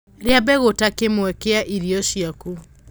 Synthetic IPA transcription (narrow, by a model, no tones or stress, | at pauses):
ɾeabɛɣotakemwɛkeaʔiɾiɔɕiaku